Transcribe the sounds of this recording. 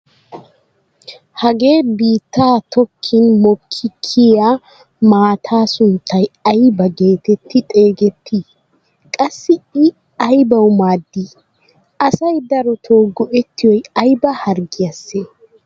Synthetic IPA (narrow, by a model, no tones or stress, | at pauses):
hɐɡe̞ːbiːt̪ːaːt̪ɔkʰːɪnmɔkʰːɪkʰːɪja | maːt̪ʰaːsʊnt̪ʰːɐjɐjbɐɡe̞ːt̪ɛt̪ʰːɪt̪ʼe̞ːɡɛt̪ʰːiː | kʼɐsːɪɪ | ɐjbɐwmaːd̪ːiː | ʔɐsɐjd̪ɐɾɔt̪ʰoːɡɔʔɛt̪ːɪjɔjɐjbɐhɐɾɡɪjɐsːeː